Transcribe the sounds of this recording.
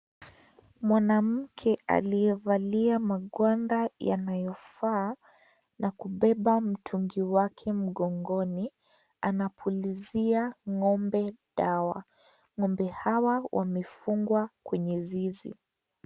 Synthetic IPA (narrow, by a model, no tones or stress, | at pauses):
mwanam̩kʰɛa̰lijɛvaliamaɠwandaja̰najɔfaː | nakuɓɛɓam̩tʰuŋɡiwakʰɛm̩ɠɔŋɡɔni | anapʰuliziaŋɔmbɛɗawa̰ | ŋɔmbɛhawawʔa̰mɛfuŋɡwakwɛɲɛzizḭ